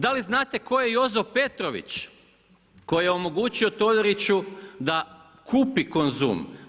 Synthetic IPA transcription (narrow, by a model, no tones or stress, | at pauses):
d̪aliznaːt̪e̞ko̞jejo̞zope̞t̪ɾoʋḭt͡ɕ | ko̞jijeo̞mo̞ɡuːt͡ɕiot̪o̞ʎoɾit͡ɕud̪a | kʰuːpiko̞nzṵːm